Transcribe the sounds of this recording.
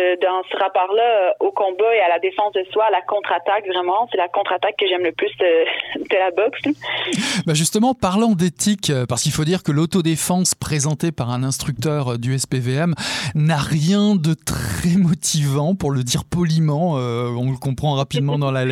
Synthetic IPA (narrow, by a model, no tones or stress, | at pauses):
d̪ɑ̃səʁapɔʁlaokɔ̃baealad̪efɑ̃sd̪əswalakɔ̃t̪χat̪akvʁɛmɑ̃sɛlakɔ̃t̪χat̪akːəʒɛmləplysd̪əd̪̥əlabɔks | baʒyst̪əmɑ̃paʁlɑ̃d̪et̪ikøpaʁsəkilfod̪iʁkəlot̪od̪efɑ̃spχezɑ̃t̪epaʁɛ̃nɛ̃st̪χyk̚t̪œʁd̪yɛspeveɛmnaʁjɛ̃d̪ət̪χɛmɔt̪ʰivɑ̃puʁləd̪iʁpɔlimɑ̃øɔ̃ləkɔ̃pχɑ̃ʁapid̪mɑ̃d̪ɑ̃lalɛ